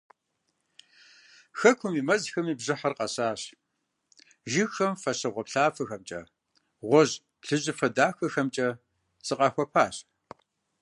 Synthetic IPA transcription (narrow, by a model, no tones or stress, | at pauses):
xɐkʷʰʊmiːmɐzxɐmiːbʑɨħɐrqɐɕaːɕ | ʒɪxxɐmfɐɕɐʁʷɔpɬaːfɐxɐmt͡ʃʼɐ̰ | ʁʷɔʑ | pɬɨʑɪfɐdaːxɐxɐmt͡ʃʼɐ | sɨqɑxʷɔpʰaːɕ